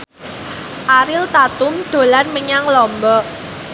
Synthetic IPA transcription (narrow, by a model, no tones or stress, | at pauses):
ʔaɾɪlt̪at̪ʊmd̪̥o̤lanməɲaŋlɔmbɔ